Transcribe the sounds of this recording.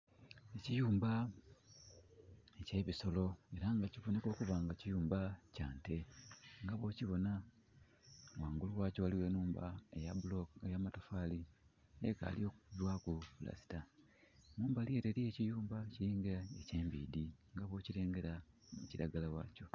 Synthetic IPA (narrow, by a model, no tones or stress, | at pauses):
ecijuːmba | ece̞βiso̞lo̞e̞ɾaŋɡaciβone̞ko̞ːkuβaːŋɡacijuːmbacaːnte̞ŋɡaβo̞ːciβo̞na | waːŋɡuluwaːco̞waliwe̞nuːmba̰ḛjaβuloejamatofali | eka̰ːlio̞ːkudwakupula̰si̥ta | nuːmbalie̞ːɾeɾie̞cijuːmbaciliːŋɡeɾaece̞ːmbiːdiŋɡaβo̞ːcile̞ːŋɡe̞ɾa | mṵciɾa̰ɡalawa̰ːco̞